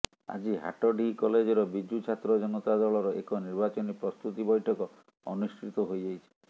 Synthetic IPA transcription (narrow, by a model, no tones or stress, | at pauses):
a̰d͡ʒiɦa̰ʈɔɖʱikɔled͡ʒɔɾɔbid͡ʒut͡ʃʰat̪ɾɔd͡ʒɔnɔt̪ad̪ɔɭɔɾɔʔekɔniɾbat͡ʃɔnipɾɔst̪ut̪ibɔjʈʰɔkɔ | ɔ̰nuskɾit̪ɔɦojd͡ʒajt͡ʃʰi̥